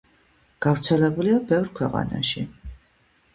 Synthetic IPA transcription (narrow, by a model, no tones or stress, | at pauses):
ɡ̥avɾt̪sʰɛlɛbuliabɛvɾkʰwɛqʼa̰na̰ʃi